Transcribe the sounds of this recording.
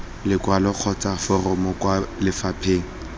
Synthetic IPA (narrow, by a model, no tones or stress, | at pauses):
lɪkʼwalɔq͡χʰɔt͡sʼafʊrʊmɔkʼwalɪfapʰeːŋ̩